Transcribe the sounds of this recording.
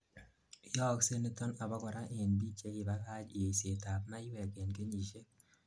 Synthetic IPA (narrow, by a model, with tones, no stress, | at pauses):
jɔ˦kse˦ni˦tɔ˦na˨bɔ˦kɔ˨ɾa˦ʔe˨nbi˦t͡ʃe˦ki˨ba˦ka˦t͡ʃi˨e˨se˨ta˨pma˦ɪwɛ˨ke˨nke˦ɲi˨ʃe˦